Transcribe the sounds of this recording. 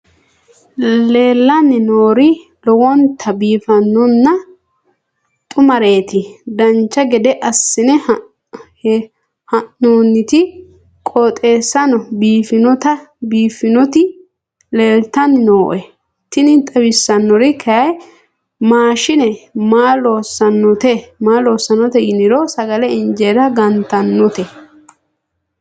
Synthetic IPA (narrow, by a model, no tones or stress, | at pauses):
le̞ːlːɐnːɪnoːɾɪ | lɔwɔnt̪ʰːɐbiːfɐnːɔnːɐ | t̪ʼʊmɐɾe̞ːt̪ɪd̪ɐnt͡ʃːɐɡɛd̪ɛʔɐsːɪnɛ | hɐnoːnːɪt̪ɪ | kʼoːt̪ʼe̞ːsːɐnɔbiːfɪnɔt̪ɐbiːfɪnɔt̪ɪ | leːlt̪ɐnnoːʔɛ | t̪ːɪnɪt̪ʼɐbɪsːɐnːɔɾɪkʰɐjɐj | maːʃɪnɛmaːloːsɐnːɔt̪ɛmaːloːsːɐnːɔt̪ɛjɪnɪɾɔsɐɡɐlɛɪnd͡ʒeɾɐɡɐnt̪ɐnːɔt̪ɛ